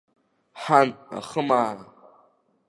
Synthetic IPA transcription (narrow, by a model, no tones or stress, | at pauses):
ħana̰χəmaːɾa